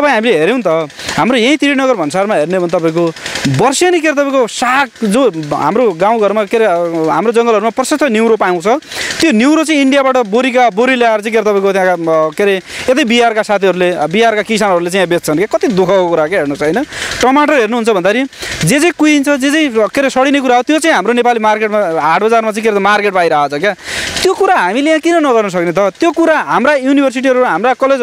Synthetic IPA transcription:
t̪ʌpãĩɦamileɦeɾjew̃nt̪ʌɦamɾojãĩt̪iɾinʌɣʌrbʱʌnsarmaɦernebʱʌnt̪ʌpaĩkobʌrsjʌnikeɾt̪ʌpãĩkosakd͡zoɦa̰mɾoɡãw̃ɡʱʌɾumakeɾeɦa̰mɾod͡zʌŋɡʌlɦʌɾumaprʌsʌsʌniwɾopajw̃t͡sʰʌt̪joniwɾot͡sãĩiɳɖijabaʈʌboɾikaboɾileaɾt͡sʌ̃ĩkeɾet̪ʌpaĩkot̪jãkakeɾeet̪ʌjbiɦarkasat̪ʰiɦʌɾulebiarkakisanɦʌɾulet͡sãj̃ãbet͡st͡sʰʌnkakʌt̪id̪ukʰʌkokuɾakeɦernʌt͡sʰʌʌjnʌʈʌmaʈʌrɦernuɦunt͡sʰʌbʱʌnd̪aɾid͡zet͡sãĩkujint͡sʰʌd͡zet͡sãĩkeɾesʌɽinekuɾaɦot̪jot͡sãĩɦamɾonepalimarkeʈmaɦaʈ̚ʰbʌd͡zarmat͡sãĩkeɾet̪markeʈ̚pajɾaat͡sʰʌkat̪jokuɾaɦamilejãkinʌnʌɣʌrnʌs̬ʌknet̪̬ʌt̪jokuɾaɦamrajunibʱʌrs̬iʈ̬iʌɾuɦamrakʌled͡z

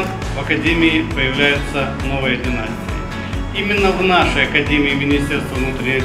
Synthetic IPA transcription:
vɐkɐdʲemʲɪɪpəjɪvlʲæjʊt̪sːə | novɨjəd̪ʲɪnasʲtʲɪ̥kə | imʲɪnːəvnaʂəjɐkɐdʲemʲɪːmʲɪnʲisʲtʲerst̪vəvnut̪ɾʲɪnʲɪ

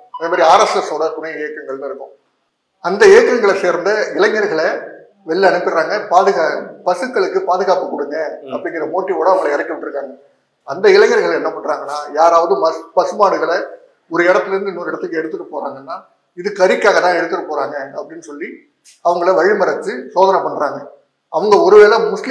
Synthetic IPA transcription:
ɪneːmaːd̪ɾiaːɾɐsɛsoːɽɐk̪ʊnɐjɐeːkːɐŋɡɐɭlɐɪɾɯkːʊ̃ | ɐnd̪ɐeːkːɐŋɡɐɭɐseːɾnd̪ɐɪlɐŋɡɐɾɣɐɭɐ | ʋɛɭːɛɐɳɯpːɪɾɾaːŋɡɐpaːðɯɣaːpɐsɯkːɐɭɯkːɯpaːðɯɣaːpɯkːʊɽɯŋɡɛɐ̰pːɐɽɪŋɡɪɾrɐmoːʈːioːɽɐʋɐŋɡɐɭɐɪɾɐɪkːɐʋɪʈːɪɾɯkːaːŋɡɐ | ɐnd̪ɐɪlɐŋːɐɾɯɣɐɭɛnːɐpɐɳɾaːŋɡɐnːaːjaːɾaːʋɐðɯmɐspɐsɯmaːɽɯɣɐɭɐ | ɔɾɯɛɽɐt̪ːɪlɐɾɯnd̪ɪnːoɾɪɽɐt̪ːɯkːɯɛɽɯt̪ːɯʈːɯpoːɾaːŋɡɐnːaː | ɪðɯkɐɾɪkːaːɣɐt̪ãːɛɽɯt̪ːɯkːɯpːoːɾaːŋɡɐɐpːɐɽɪnːɯsɔlːi | ɐʋɐŋɡɐɭɐʋɐɻɪmɐɾɐt̪ːɯsoːðɐnɐpɐɳːɾaːŋɡɐ | ɐʋɐŋɡɐɔɾɯʋeːɭɐmʊsl

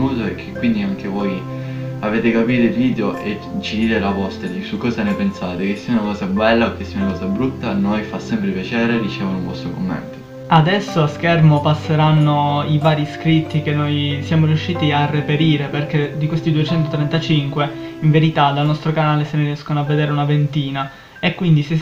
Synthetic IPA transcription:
uːzoek̟ʰːekːwind̪iaŋk̟evɔj | aveːt̪ekapiːɾoilviːd̪joʔe | t͡ʃːid̪iːd̪elapɔst̪eisukːɔːzanepensaːt̪ekesːiːaunakɔːzabɛlːaok̟ːesːiːaunakɔːzabɾut̪ːanojfasɛmpɾepjat͡ʃɛːɾerit͡ʃɛːvonuɱvɔst̪ɾokomːɛ̰nt̪o | ad̪ɛsːoaskɛrmopasːeɾanːoivaːɾiskɾit̪ːikenːojsjaːmoɾijuʃːiːt̪iarːepeɾiːɾeperk̟ed̪ikwest̪id̪uet͡ʃɛnt̪ot̪ɾɛnt̪at͡ʃiŋkwe | iɱveɾit̪ad̪alnɔst̪ɾokanaːleseneriɛskonoavːed̪eːɾeunavent̪iːna | ekwind̪ise

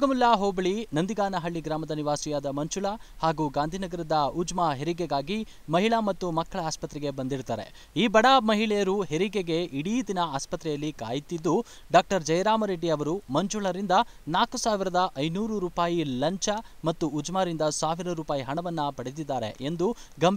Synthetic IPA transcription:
ɡɐmulːaɦoːbɐɭinɐnd̪iɡaːnɐɦɐɭːiɡɾaːmɐd̪ɐniʋaːsijaːd̪ɐmɐɲt͡ʃuɭɐhaːɡuːɡaːnd̪ʱiːnɐɡɐɾɐd̪ɐud͡ʒmaɦeɾiɡeɡaːɡi | mɐɦiɭɐmɐt̪ːumɐkːɐɭɐaːspɐt̪ɾɛɡe̞bɐnd̪iɾut̪aːɾe̞̰ | iːbɐɽamɐɦiɭɛjɐɾuɦe̞ɾiɡeɡe̞iɽiːd̪inɐaːspɐt̪ɾɛjɐlːikaːjit̪id̪ːu | ɖaːk̚ʈɐɾd͡ʒɐjɐɾaːmɐɾeɖiɐʋɐɾumɐɲt͡ʃuɭɐɾind̪ɐ | naːkusaːʋiɾɐd̪ɐʔɐjnuːɾuɾuːpaːjilɐɲt͡ʃɐ | mɐt̪ːuːd͡ʒmaːɾind̪ɐsaːʋiɾɐɾuːpaːjiɦɐɳɐʋɐnːɐpɐɽed̪id̪ːaːɾḛʔend̪uɡɐm

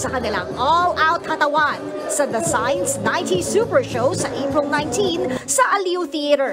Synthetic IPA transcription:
sɐkɐnɪla̰ŋʔolʔawt̪̚hɐt̪ɐwan | sɐd̪ɐsajnsnãjnt̪isupɛɹʃoʊsɐʔejpɹɪlˠnãjnt̪ĩnsɐʔɐliʊθiɐɾɛɹ

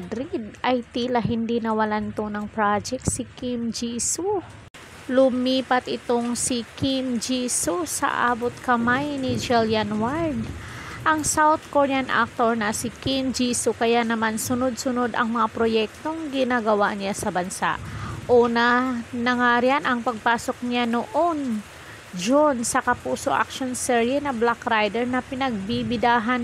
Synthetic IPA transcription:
d̪ɾid̪̚ʔɐjt̪iːlɐɦɪnd̪inɐwɐlant̪onɐŋpɾad͡ʒɛk̚t̪sɪkimd͡ʒiːsu | lʊmiːpɐt̪ʔɪt̪oŋsɪkimd͡ʒiːsusɐ̰ʔa̰ːbot̪̚kɐmajnɪd͡ʒɛljanwald̪ʔɐŋsawt̪̚koɹɛanʔa̰k̚t̪oɹnɐsɪkimd͡ʒisokɐjanɐmansʊnod̪̚sʊno̞d̪ɐŋmɐŋapɾojɛk̚t̪o̞ŋɡɪnaːɡɐwanɪjasɐbɐnsa̰ʔʔoːnɐnɐŋaːɾɪanʔɐŋpɐɡ̚paːso̞k̚ɲɪanoʔon | d͡ʒonsɐkɐpuːso̞̰ʔa̰k̚ʃonsɛɹɪnɐblakɾajd̪ɛɹnɐpɪnɐɡ̚bibɪd̪aːɦan

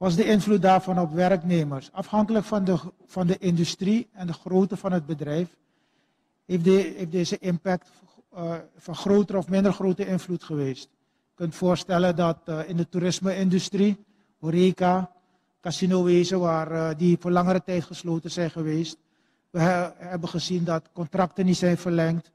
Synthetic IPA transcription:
ʋɑzdəɪnvlut̚daːrvɑnɔpʋɛrkneːməɹsɑfhɑŋkələkfɑndə | fɑndəʔɪndystriɛndəχroːtəvɑnɦəd̚bədrɛjf | efdefdeːzəʔɪmpɛk̚t | fɑnχroːtəɾɔfmɪndərχrowtəɪnvlutχəʋeːst | əkɵntfʊːɹstɛləndɑtɪndətuɾɪsməɪndystri | oɾeka | kasinoʋeːzəʋaːrdivoːɹlɑŋəɾətɛjtχəsloːtənzɛjnχəʋeːst̚ | ʋəɦɛbənχəzindɑtkɔntrɑktənitsɛjnvərlɛŋkt

